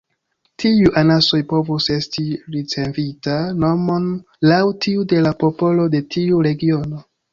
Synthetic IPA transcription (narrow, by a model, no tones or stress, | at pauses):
tʰiuʔanaso̞jpo̞vuse̞stiɾit͡se̞vitano̞mo̞n | lawtʰiude̞lapo̞po̞lo̞de̞tʰiuɾe̞ɡio̞no̞